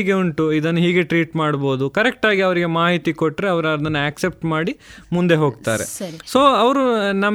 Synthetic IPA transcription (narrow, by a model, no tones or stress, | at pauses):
ɡeuɳʈuid̪ɐnːuɦiːɡeʈɾiːʈmaːɽbo̞ːd̪ukɐɾek̚ʈaːɡiɐʋɐɾiɡemaːɦit̪ikoʈːɾeɐʋɐɾɐɐd̪ɐnːuaːksep̚ʈmaːɽimund̪e̞ɦo̞ːɡ̚t̪a̰ːɾḛsso̞ːɐʋɐɾunɐm